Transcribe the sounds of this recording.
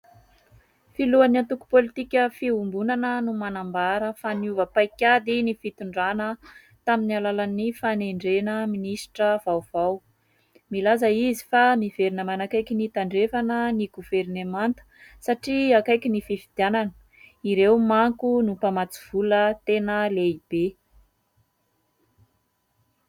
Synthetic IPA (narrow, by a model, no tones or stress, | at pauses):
filuanant̪uku̥polit̪ikʲəfiumbunanənumanambaɾəfaniuvəpajkʲad̪inifit̪uɳɖ͡ʐanə | t̪aminalalanifaneɳɖ͡ʐenəminisi̥ʈ͡ʂəv̥awv̥aw | milazəizi̥famiv̥eɾinəmanakajkinit̪aɳɖ͡ʐefanəniɡuvernemant̪ə̥saʈ͡ʂiakajkʲinififid̪jananə̥ | iɾewmaŋkunupamat͡su̥v̥ulət̪enəleib̥e